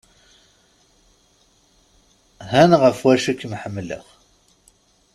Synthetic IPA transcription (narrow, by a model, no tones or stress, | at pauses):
hænʁəfwæʃikːmħəmːlə̰ʁ